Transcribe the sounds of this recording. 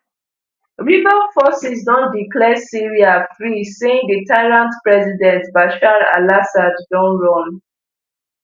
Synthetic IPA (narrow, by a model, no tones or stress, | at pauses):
ɹivalfɔsisdɔ̃ndiklɛsiɹiafɹisẽŋdətaɪɹãntpɹɛzidɛ̃ntbaʃaɹa̰lasadd͡ʒɔ̃nɹɔ̃m